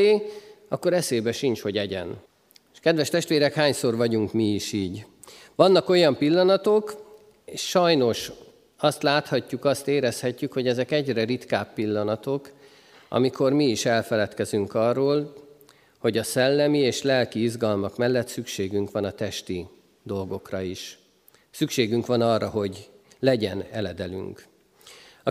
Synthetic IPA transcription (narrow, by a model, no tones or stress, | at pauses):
eːɒkːo̞ɾɛseːbɛʃint͡ʃho̞ɟɛɟɛ̰n | ʃkɛd̪ʋɛʃt̪ɛʃt̪ʋeːɾɛkhaːɲso̞rvɒɟuŋkmiiʃiːɟ | ʋɒnːɒko̞jɒmpilːɒnɒt̪ok | eʃʃɒjno̞ʃ | ɒst̪laːt̪hɒcːukɒst̪eːɾɛshɛcːykho̞ɟɛzɛkɛɟrɛrit̪kaːpːilːɒnɒt̪o̞k | ɒ̰miko̞rmiːʃɛlfɛlɛt̪kɛzyŋkɒrːoːl | ho̞ɟɒsɛlːɛmieːʃlɛlkiizɡɒlmɒkmɛlːɛt̪sykʃeːɡyŋkʋɒnɒt̪ɛʃt̪i | d̪o̞lɡo̞krɒiʃ | sykʃeːɡyŋkʋɒnɒrːɒɦo̞ɟlɛɟɛnɛlɛd̪ɛly̰ŋk | ɒ